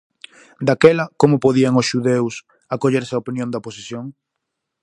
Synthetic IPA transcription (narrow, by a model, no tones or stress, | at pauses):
d̪akɛlɐkomʊpoðiɐŋʊsʃuðews | akoʎeɾsɪɐopinjõnd̪ɐoposiθjoŋ